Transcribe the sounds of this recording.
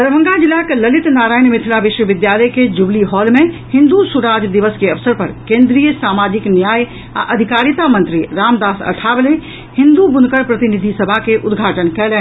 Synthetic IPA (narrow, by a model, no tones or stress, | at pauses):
d̪əɾbʱə̃ŋɡad͡ʒɪlːakelɐlɪt̪naːɾaːinmɪt̪ʰilaʋɪʃʋəʋɪd̪jaːləked͡ʒubliɦɔːlmẽhɪ̃nd̪usuɾaːd͡ʒd̪iʋəskeɐfsəɾpɐɾkẽːnd̪ɾijəsaːmaːd͡ʒɪknjaːj | a̰ʔɐd̪ʱɪkaːɾjət̪amə̃nt̪ɾiɾaːmd̪aːsɐ̰ʈʰaːble | hɪ̃nd̪ubʊnkəɾpɾɐt̪ɪnid̪ʱisəbʱakeʔʊd̪ɡʱaːʈənkɛlɛː